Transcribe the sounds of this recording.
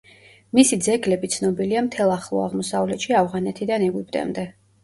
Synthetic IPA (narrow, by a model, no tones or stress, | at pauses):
misid̪zɛɡlɛbit̪sʰnɔbiliamt̪ʰɛlˠaχlˠɔ̰a̰ʁmɔsavlɛt̪ʃiavʁanɛt̪ʰid̪anɛɡwipʼt̪ʼɛ̰md̪ɛ